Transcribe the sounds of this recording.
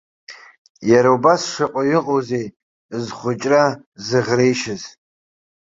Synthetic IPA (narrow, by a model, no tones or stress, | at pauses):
jaɾaubasʂaqʼaɥɪqʼowzej | zχʷʊt͡ʃʼra | zɨʁrejʃɪz